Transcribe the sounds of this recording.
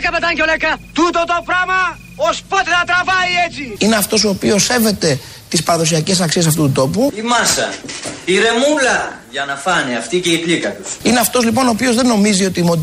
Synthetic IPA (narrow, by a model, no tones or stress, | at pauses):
kɐpet̪ɐɲcolekɐt̪ut̪ot̪o̞pɾɐmɐ | ospot̪enɐt̪ɾɐvɐiet͡siineɐft̪o̞so̞ːpio̞se̞ve̞t̪e̞ | t̪ispɐɾɐðo̞s̬iɐce̞s̬ɐksies̬ɐft̪ut̪ud̪o̞puimɐsɐ̰iɾe̞mulɐʝɐnɐfɐniɐft̪iceiklit̪ɐt̪u̥sine̞ɐft̪o̞zlipo̞noːpio̞zðe̞nːo̞mizio̞t̪iːmo